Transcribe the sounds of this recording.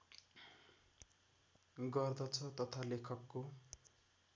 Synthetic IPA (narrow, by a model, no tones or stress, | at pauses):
ɡʌrd̪ʌt͡sʰʌt̪ʌt̪ʰalekʰʌkːo